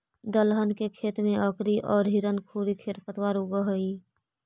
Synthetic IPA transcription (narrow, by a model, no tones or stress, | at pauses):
d̪əlɦənkekʰeːt̪mẽəkɾiʔɔːɾɦiɾənkʰuːɾikʰeːɾpət̪waɾoɡəɦəi